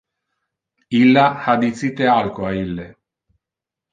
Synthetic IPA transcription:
ilːahad̪it̪sit̪ealkoailːe

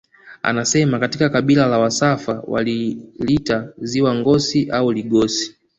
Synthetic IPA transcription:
a̰nasɛmakatikakaɓilalawasafa̰wa̰lilitaziwaŋɡɔsiʔauliɡɔsi̥

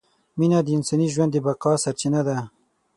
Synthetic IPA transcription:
minad̪əɪnsɑniʒwand̪ːəbaqɑsaɾt͡ʃinad̪a

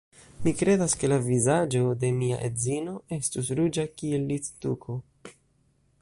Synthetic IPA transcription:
mikɾe̞daske̞lavizad͡ʒo̞de̞mia̰ʔḛdzino̞e̞stusɾud͡ʒakie̞lːit͡stuko

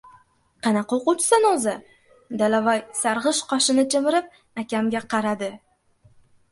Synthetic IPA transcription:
qʰɑnaqɑoqʊt͡ʃʰɪ̥sanozɪ | d̪alavajsaɾʁɨʃqɒʃɪnɪt͡ʃʰɪmɪɾɪp̚ | akʲamɡʲaqʰɑɾad̪ɪ

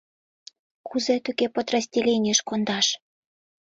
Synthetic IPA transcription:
kʰuzet̪yɣepot̪rɑzʲdʲelʲenʲiəʃkond̪ɑʃ

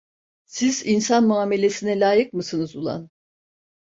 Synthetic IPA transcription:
sizinsanmuaːme̞lʲe̞sinɛlʲaːjɯk̚mɯsɯnɯzulˠa̰n

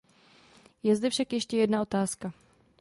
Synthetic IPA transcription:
jɛzdɛfʃakjɛʃcɛjɛdnao̞t̪aːska

